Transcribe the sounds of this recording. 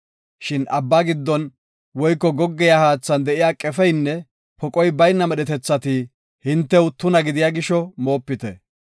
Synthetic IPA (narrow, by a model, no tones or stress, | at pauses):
ʃɪnʔɐbːaɡɪd̪ːɔn | wɔjkːɔɡɔɡːɛjahaːt͡sːɐnd̪ɛʔɪjaːkʼɛfɛjnːɛ | pɔkʼɔjbɐjnːɐmɛɗɛt̪ɛt͡sːɐt̪i | hɪnt̪ːɛwt̪ʊnɐɡɪd̪ɪjaɡɪʃɔmo̞ːpːɪt̪ɛ